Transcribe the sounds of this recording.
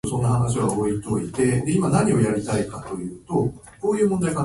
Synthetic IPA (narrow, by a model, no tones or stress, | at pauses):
sõ̞nːahanaɕiɡaoit̪o̞it̪e̞d̪e̞imanaɲ̟io̞jaɾʲit̪aikat̪o̞jɯ̟ːt̪o̞ | ko̞ːjɯ̟ːmond̪aika